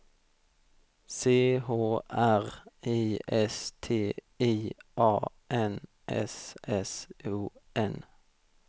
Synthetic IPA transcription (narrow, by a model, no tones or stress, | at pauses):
seːhoːʔæʁiːʔɛst̪ʰeː | iːʔɑː | ʔɛn | ʔɛ̰sɛsuːʔɛn